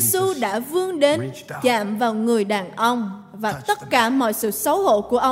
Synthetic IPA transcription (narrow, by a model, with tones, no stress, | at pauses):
su˧ɗa̰ː˧˥vɨ˧əŋɗe˨˦nt͡ɕa̰ː˧˨mvaː˨˩wŋɨ˨˩əjɗaː˨˩nʔə˧wŋ͡m | vaː˨˩t̪ə˦˥t̚kaː˧˩mɔ̰˧˨jsɨ̰˧˨sə˨˦who̰˧˨ku˧˩əʔə˧